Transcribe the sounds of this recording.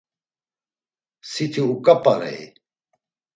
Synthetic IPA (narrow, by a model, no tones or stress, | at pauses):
sit̪ʰiukɐpɐɾḛe